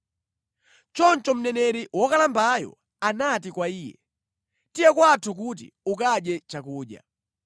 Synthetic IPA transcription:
t͡ʃɔnt͡ʃɔm̩nɛnɛɾiwɔkalambajɔ̰ | anatikwaiːjɛ̰ | tijɛkwatʰuk̬ut̬ḭukaɗjɛt͡ʃakuːɗja̰

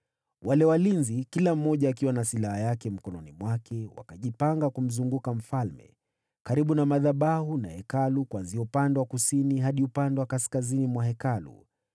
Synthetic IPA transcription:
wʔalɛwalinzikilam̩ːɔʄaːk̬iwanasilahajakɛm̩kɔnɔnimwakɛwa̰kaʄipaŋɡakum̩zuŋɡukam̩falmɛ̰ | kaɾiɓunamaðaɓahuna̰hɛkalukwanziɔupandɛwakusiniɦaɗiupandɛwakaskazinimwaɦɛkalṵ

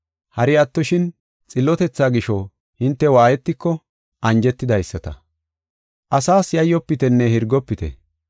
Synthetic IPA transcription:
hɐɾɪjat̪ːɔʃɪn | t͡sʼɪlːɔt̪ɛt͡sːaːɡɪʃɔ | hɪnt̪ːɛwaːjɛt̪ːɪkːɔ | ʔɐnd͡ʒɛt̪ːɪd̪ɐjsːɐt̪ɐ̰ | ʔɐsaːsjɐjːɔpːɪt̪ɛnːɛhɪɾɡɔpːɪt̪ɛ̰

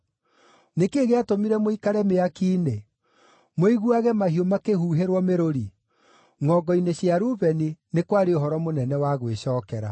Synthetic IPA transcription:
nekeɣeatomiɾɛmoikaɾɛmeakiːne | moiɣuaɣɛmahiomakehuːɦeɾwɔmeɾoɾi | ŋɔːɡɔineɕjaɾuβɛninekwaɾeoɦɔɾɔmonɛnɛwaɣweɕɔːkɛɾa̰

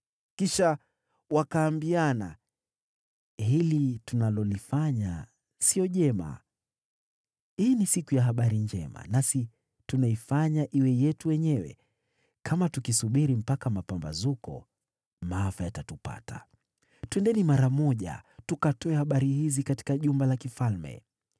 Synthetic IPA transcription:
kiʃa | wakaːmbiana | hilitunalɔlifaɲa | siɔʄɛma̰ | hiːnisikujaɦaɓaɾiɲd͡ʒɛ̰ma̰nasi | tunaifaɲaʔiwɛjɛtujɛɲɛwɛ̰ | kʰamatukisuɓiɾim̩pakamapamba̰zukɔ̰ | maafajatatupa̰ta̰ | tuɛndɛnimaɾamɔʄa̰tukatɔɛhaɓaɾihizikati̥kaʄumbalakifalmɛ̰

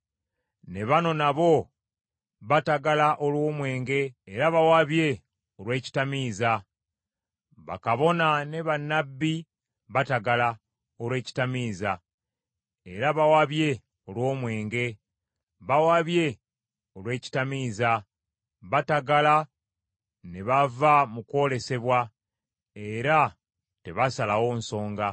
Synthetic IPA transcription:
ne̞βano̞naβo̞ | βataɡalaʔolwo̞ːmwe̞ːŋɡe̞ːɾaβawaβje̞ | o̞lwe̞ːci̥tamiːza | βa̰kaβo̞nane̞βanːabːi | βataɡala | olwe̞ːci̥tamiːza | e̞ɾaβawaβje̞ | olwo̞ːmwe̞ːŋɡe̞ | βawaβje̞ | o̞lwe̞ːci̥tamiːza | βataɡala | ne̞βavamuko̞ːle̞se̞βwa | e̞ɾa | te̞βasalawo̞ːn̩so̞ːŋɡa

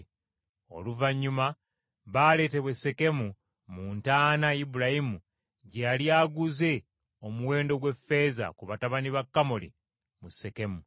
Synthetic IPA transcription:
o̞̰luvaɲːuma | βaːle̞ːte̞βwe̞sːe̞ke̞mu | muːntaːnajibuɾajimu | ɟealiaːɡuze̞ | o̞muwe̞ːndo̞ɡwe̞fːe̞ːza̰kuβataβaniβakːamolḭ | muse̞ke̞mu

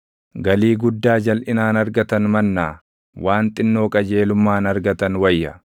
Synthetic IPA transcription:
ɡɐliːɡʊd̪ːaːd͡ʒɐlʔɪnaːnɐɾɡɐt̪ɐnmɐnːaː | wʔaːnt̪ʼɪnːo̞ːkʼɐd͡ʒe̞ːlʊmːaːnɐɾɡɐt̪ɐnwɐjːɐ

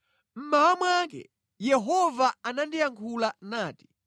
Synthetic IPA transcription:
m̩mawamwak̬ɛ̰ | jɛɦɔvaanandijaŋkʰulanaːti̥

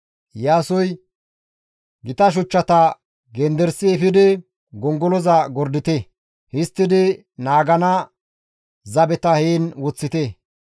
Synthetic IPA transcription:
jaːsɔj | ɡɪt̪ɐʃ̬ʊt͡ʃːɐt̪ɐ | ɡɛnd̪ɛɾsɪɛfɪd̪ɪ | ɡɔŋɡɔlɔzɐɡɔɾd̪ɪt̪e | hɪst̪ːɪd̪ɪ | naːɡɐnɐ | zɐbɛt̪ɐhiːnwɔt͡sːɪt̪ɛ

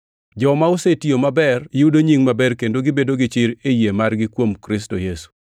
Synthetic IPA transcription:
d͡ʒɔmaʊsetijomabɛrjɪudoɲiŋmabɛrkendoɡɪbedoɡɪt͡ʃɪɾejemarɡɪkwomkɾɪs̬tojesu̥

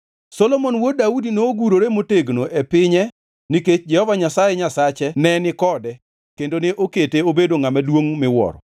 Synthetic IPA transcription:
sɔlomonwodaudinoːɡuɾoɾemoteɡnoʔepɪɲɛ | niket͡ʃd͡ʒɛhɔvaɲasajɛɲasat͡ʃɛnɛnɪkɔdɛ | kendoneʔoketeobedoŋamadwoŋmɪwɔ̰ɾɔ

